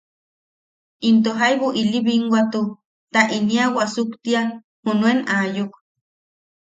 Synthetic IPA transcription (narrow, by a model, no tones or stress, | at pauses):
int̪̬oɦajβuʔiliβiŋɡʷwat̪u | t̪aʔiniawasukt̪ian | hunuenajuk